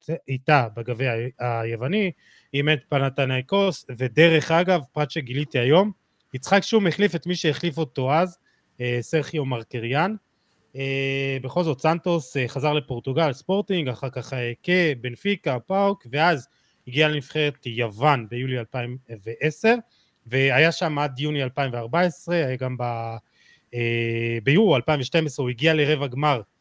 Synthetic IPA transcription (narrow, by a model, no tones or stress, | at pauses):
it̪abaɡavejaajevani | iment̪̚panat̪anajko̞sve̞de̞ʁe̞χaɡavpʁat̪ʃe̞ɡilit̪iajo̞m | it͡sχakʃeumeχlife̞t̪miʃejeχlifo̞t̪o̞az | eseʁχjomaʁkeʁjan | ebeχo̞lzo̞t̪sant̪o̞seχazaʁle̞po̞ʁt̪uɡalspo̞ʁt̪iŋɡaχaʁkaχekebenfikapawkve̞az | hiɡialemifχeʁetjavanbe̞julialpaimveʔese̞ʁ | ve̞ajaʃamad̪junialpaimveaʁbaesʁe̞hajaɡamba | ebejuʁalpaiɱveʃte̞mesʁeuiɡiale̞ʁevaɡmaʁ